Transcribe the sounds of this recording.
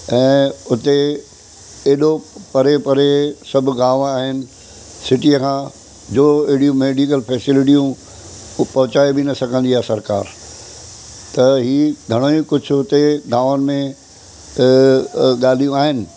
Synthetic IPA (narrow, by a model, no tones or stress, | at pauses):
ɛ̃ːʊt̪e | eːɗopɐɾepɐɾesɐbʱɡãːʋaːɦɪnɪ̆ | sɪʈiəkʰãː | d͡ʑoːɪɦɪɽijũmeːɖiːk̬əlpʰɛːsɪlɪʈijũ | pɐɦʊt͡ɕaːebɪnɐsɐɡʱə̃nd̪iɦɛsɐɾkaːɾ | t̪ɐɦiːɡʱɐɽ̃oĩkʊd͡ʑʱʊʊt̪eɡaːʋənɪ̆mẽ | ɠaːl̤ijũaːɦɪnɪ̆